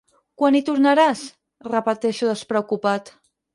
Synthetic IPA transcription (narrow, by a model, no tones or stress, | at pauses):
kwanit̪uɾnaɾas | rəpət̪ɛʃuðəspɾəukupat̪